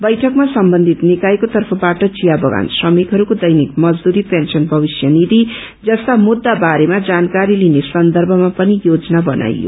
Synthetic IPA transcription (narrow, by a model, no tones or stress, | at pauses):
bʌjʈʰʌkmasʌmbʌnd̪ʱit̪nikajkot̪ʌrpʰʌbaʈʌt͡ʃijabʌɡa̰nsrʌmikɦʌɾukod̪ʌjnikmʌd͡zd̪uɾipensʌnbʱʌbisjʌnid̪i | d͡zʌst̪amud̪ːabaɾemad͡zankaɾilinesʌnd̪ʌrbʱʌmapʌnijod͡zʌnabʌna̰jjo̰